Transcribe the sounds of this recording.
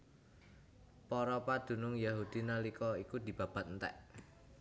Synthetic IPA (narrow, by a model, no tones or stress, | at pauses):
pɔɾɔpad̪̥ṳnʊŋjaɦud̪̥i̤nalikɔikud̪̥i̤b̥a̤b̥a̤t̪̚nt̪ɛ̰ʔ